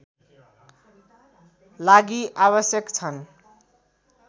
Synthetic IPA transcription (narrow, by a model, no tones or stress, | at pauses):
laɡiʔaβʌsjʌkt͡sʰʌn